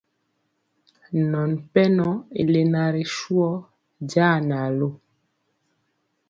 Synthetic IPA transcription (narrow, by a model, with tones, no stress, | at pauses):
nɔ˨npɛ˦nɔ˦ḛ˨le˨na˨ɾe˨ʃu˦ɔ˦ | d͡ʒaː˦˨na˨lo˦